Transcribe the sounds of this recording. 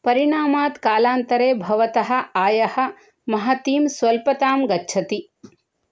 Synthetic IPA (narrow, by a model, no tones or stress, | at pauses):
pɐɾiɳaːmaːt̪kaːlaːnt̪ɐɾeːbʱɐʋɐt̪ɐɦɐ̆aːjɐhɐ̆ | mɐɦɐt̪iːmsʋɐlpɐt̪aːmɡɐtːt͡ʃʰɐt̪i